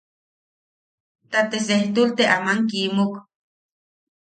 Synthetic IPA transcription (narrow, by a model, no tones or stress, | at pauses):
t̪at̪es̬eht̪ult̪eʔamaŋkimuk